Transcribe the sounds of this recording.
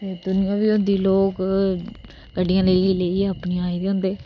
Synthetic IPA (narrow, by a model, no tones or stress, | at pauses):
t̪eːd̪ʊnɪjãːʋiːʊ̃nd̪iːloːk | kəɖɪjãːləiləiːəpnĩaːiːd̪eːɦʊ̃ːnd̪eː